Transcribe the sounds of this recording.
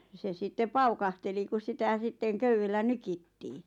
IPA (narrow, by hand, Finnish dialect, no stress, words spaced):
se sitːe pɑukɑhteli kus sitæ sitːeŋ køywelːæ nykitːiː